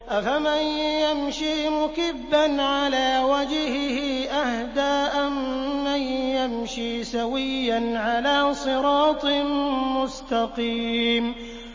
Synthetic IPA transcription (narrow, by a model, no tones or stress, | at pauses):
ʔafamanjamʃiːmʊkɪbːanʕalaːwad͡ʒhhɪʔahd̪aːʔamːanjamʃiːsawɪjːanʕalaːsˤɨɾɑːt̪ˤmʊst̪ɑqiːm